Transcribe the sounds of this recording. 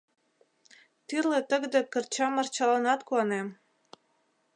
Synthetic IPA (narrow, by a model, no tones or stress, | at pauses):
t̪yrlet̪ə̆ɡd̪ĕkə̆rt͡ɕɑmərt͡ɕɑlɑnɑt̪kuɑnem